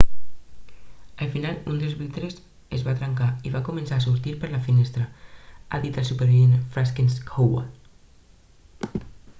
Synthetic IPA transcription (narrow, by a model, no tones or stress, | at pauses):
alfinalund̪elzβik̚t̪ɾes | ezβat̪ɾaŋkaiβakumẽnsaːsuɾt̪iɾpəɾlafinest̪ɾaa̰ðit̪əlsupeɾβienfɾaskinskowwa̰l